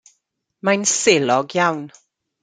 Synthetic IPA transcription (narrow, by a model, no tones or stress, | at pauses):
majnselɔɡjawn